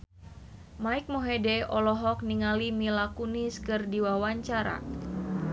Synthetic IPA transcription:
maik̚moɦedɛɔlɔɦɔk̚niŋalimilakuniskɨrdiwawaɲt͡ʃaɾa̰

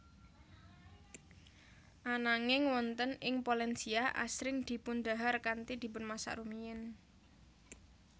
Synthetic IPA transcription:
ʔanaŋɪŋwɔnt̪ənɪŋpolɛnsiaʔa̰sɾɪŋd̪̥i̤pʊnd̪a̤ɦarkant̪id̪̥i̤pʊnmasa̰ʔrumijɪn

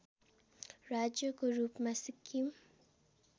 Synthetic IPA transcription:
ɾaːd͡ʒjokoɾuːpmɐsɪkʰːim

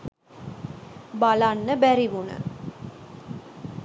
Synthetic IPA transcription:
balanːəbæɾiʋunə̰

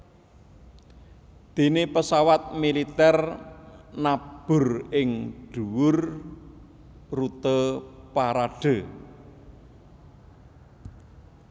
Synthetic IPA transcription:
d̪̥e̤nepəsawat̪̚milit̪ɛr | nab̥ʊ̤rɪŋɖ̥uwʊr | rut̪əpaɾaɖ̥ə̤

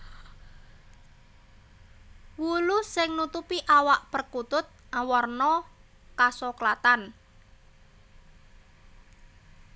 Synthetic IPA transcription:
wulusɪŋnut̪upiʔawaʔpərkut̪ʊt̪̚ʔawɔrnɔ | kasoklat̪an

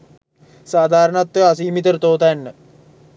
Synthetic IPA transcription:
saːd̪ʱaːɾəɳat̪ːɐsiːmit̪əɾt̪oːt̪ajɐnːə

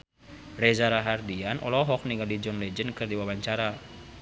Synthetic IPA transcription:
rɛzaɾaɦardianʔɔ̰lɔɦɔk̚niŋɡadid͡ʒɔnlɛd͡ʒənkɨrdiwawaɲt͡ʃaɾa

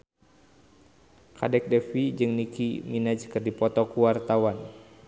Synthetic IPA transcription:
kadɛk̚dɛfid͡ʒɨŋnikḭminad͡ʒkɨrdipɔt̪ɔkuwart̪awan

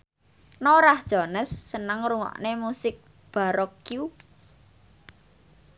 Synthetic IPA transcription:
noɾahd̥ʒ̥ɔnəsːənəŋɾuŋɔ̰ʔnemusɪk̚ | b̥a̤ɾɔkju

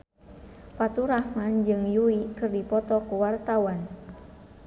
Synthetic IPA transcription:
pat̪uɾahmand͡ʒɨŋjuikɨrdipɔt̪ɔkuwart̪awan

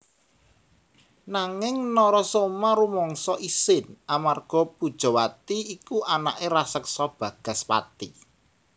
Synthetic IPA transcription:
naŋɪŋnɔɾɔsomaɾumɔŋsɔʔisɪnʔamarɡ̥ɔ̤pṳd̥ʒ̥ɔ̤wat̪iikuʔana̰ʔeɾasəksɔb̥ä̤ɡ̥ä̤spa̰t̪i

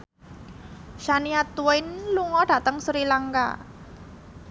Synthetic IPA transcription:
ʃaniat̪uaɪnluŋɔɖ̥ä̤t̪əŋsuɾilaŋka̰

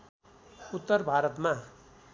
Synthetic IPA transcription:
ut̪ːʌrbʱaɾʌt̪ma

